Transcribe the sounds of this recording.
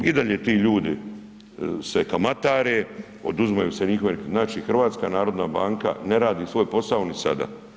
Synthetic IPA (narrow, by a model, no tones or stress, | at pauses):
id̪aʎet̪iːʎuːd̪i | sekamat̪aːɾe | o̞̰d̪uzmajuːseɲixoʋenznaːt͡ʃiːxr̩ʋaːt̪skaːnaːɾo̞d̪naːbaːŋka̰ne̞ɾaːd̪iːsʋo̞ːjpo̞saonisa̰d̪a̰ː